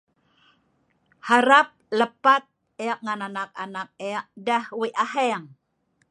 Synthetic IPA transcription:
haɾap̚ləpat̪̚ | ejaʔ̚ŋananak̚anak̚eaʔ̚dahwiʔaheaŋ

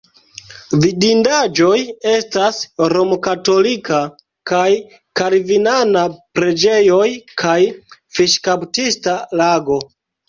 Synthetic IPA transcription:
vidindad͡ʒo̞je̞stasɾo̞mkato̞lika | kaj | kaɾvinanapɾed͡ʒe̞jo̞jkʰajfiʃkawtistalaɡo̞

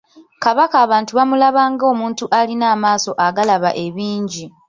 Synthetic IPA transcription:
kaβakaːβaːntuβamulaβaːŋɡoːmuːntuʔalinaːmaːso̞ʔaɡalaβaʔe̞βiːɲɟi

